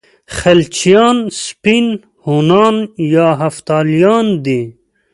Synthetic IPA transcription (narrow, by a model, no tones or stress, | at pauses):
xɐlt͡ɕijɑːnspin | honɑːnjɑːɦɐft̪ɑːlijɑːnd̪e